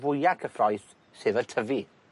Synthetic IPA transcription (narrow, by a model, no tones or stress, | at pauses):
vʊjakʰəfrɔjθ | seːðərtʰəvi